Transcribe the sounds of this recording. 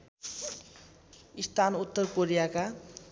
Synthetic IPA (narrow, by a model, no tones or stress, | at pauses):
ist̪ʰanut̪ːʌrkoɾijaka